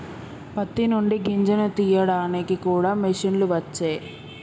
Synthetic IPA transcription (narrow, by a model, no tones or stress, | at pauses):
pɐt̪ːinuɳɖiɡiɲd͡ʒɐnut̪ijɐɽaːnikikuːɽaːmiʂinluʋɐt͡ʃːeː